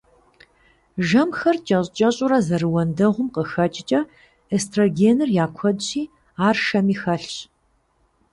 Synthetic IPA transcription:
ʒɐmxɐrt͡ʃʼɐɕʼt͡ʃʼɐɕʼʊɾɐzɐrɨwɐndɐʁʷʊmqəxɐt͡ʃʼɪt͡ʃʼɐ | estʰroɡeːnɨrjaːkʷʰɐdɕiː | aːrʃɐmiːxɐɬɕ

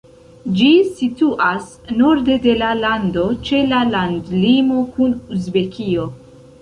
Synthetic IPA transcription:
d͡ʒisituʔas | no̞ɾde̞de̞lalando̞t͡ʃe̞lalandlimo̞kunuzbe̞kʰio̞

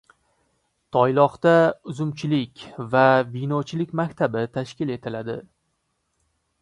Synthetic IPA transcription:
t̪ʰɒjlˠɒqt̪aʊzʊmt͡ʃʰɪlɪkʲvavinɒt͡ʃʰɪlɪkʲmakʲt̪ʰabɪt̪ʰaʃkʲɪle̞t̪ʰɪlad̪ɪ

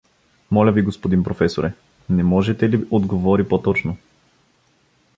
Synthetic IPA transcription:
mɔlʲəviɡospod̪impɾofɛsoɾɛ | nɛmɔʒɛt̪ɛliʔod̪ɡovɔɾipot̪ɔt͡ʃno

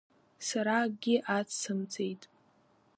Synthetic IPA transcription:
saɾaɡʲɪʔat͡sʰsɨmt͡sʰʼe̞jtʼ

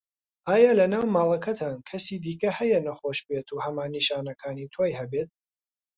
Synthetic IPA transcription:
aːjaːlɐnaːwmaːlˠɐkʰɐt̪ʰaːnkʰɐsiːd̪iːkɐhɐjɐnɐχoːʃbet̪ʰuːhɐmaːnːiʃaːnɐkʰaːniːt̪ʰwoːjhɐbet̪̚

